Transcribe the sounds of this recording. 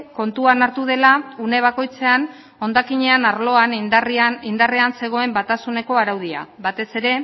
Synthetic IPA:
ko̞nt̪uanaɾt̪uð̞e̞laune̞β̞ako̞jt͡se̞an | o̞nd̪akiɲe̞anaɾlo̞anrind̪areanse̞ɣ̞o̞e̞mbat̪asune̞ko̞aɾawð̞ia̰βat̪e̞se̞ɾe̞

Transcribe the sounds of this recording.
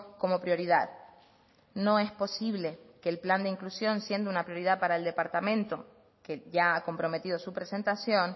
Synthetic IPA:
ko̞mo̞pɾjo̞ɾiðað | nõ̞e̞spo̞siβ̞le̞keːlpland̪eiŋklusjo̞nsje̞nd̪unapɾjo̞ɾiðaðpaɾaeld̪e̞paɾt̪amẽ̞nt̪o̞ | keʝaako̞mpɾo̞me̞t̪ið̞o̞supɾe̞se̞nt̪asjo̞n

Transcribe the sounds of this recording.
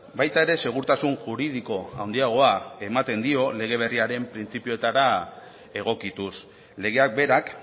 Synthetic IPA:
bajt̪ae̞ɾe̞se̞ɣ̞uɾt̪asunʝuɾið̞iko̞a̰wnd̪iaɣ̞o̞ae̞mat̪e̞nd̪io̞le̞ɣ̞e̞β̞e̞riaɾe̞mpɾint͡sipio̞e̞t̪aɾa | e̞ɣ̞o̞kit̪us | le̞ɣ̞e̞ak̚be̞ɾak

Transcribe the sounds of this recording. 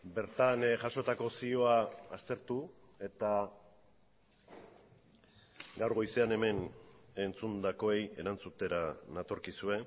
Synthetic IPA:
be̞ɾt̪anʝaʃo̞t̪ako̞sio̞aːst̪e̞ɾt̪u | e̞t̪a | ɡawɾɣo̞jse̞ane̞me̞ne̞nt͡sund̪ako̞e̞je̞̰ɾant͡sut̪e̞ɾanat̪o̞ɾkisue̞

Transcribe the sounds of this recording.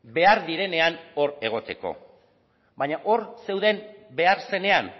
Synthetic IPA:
be̞aɾðiɾe̞ne̞ano̞ɾe̞ɣ̞o̞t̪e̞ko̞̰ | baɲaʔo̞ɾse̞wðe̞mbe̞aɾse̞ne̞an

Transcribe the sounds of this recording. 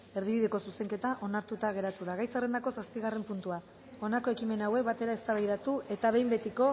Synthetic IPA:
e̞ɾð̞iβiðe̞ko̞suse̞ŋke̞t̪aʔo̞naɾt̪ut̪aɣ̞e̞ɾat̪uðaɣajsare̞nd̪ako̞saspiɣare̞mpunt̪ua | o̞nako̞e̞kime̞nawe̞k̚bat̪e̞ɾae̞st̪aβajɾat̪ue̞t̪aβe̞jmbe̞t̪iko̞

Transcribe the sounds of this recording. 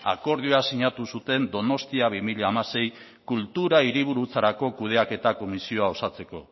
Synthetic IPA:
a̰ko̞ɾð̞ioasiɲat̪usut̪e̞nd̪o̞no̞st̪iaβimiʎeamase̞j | kult̪uɾaiɾiβ̞uɾut͡saɾako̞kuð̞e̞ake̞t̪ako̞misio̞ao̞sat͡se̞ko̞̰

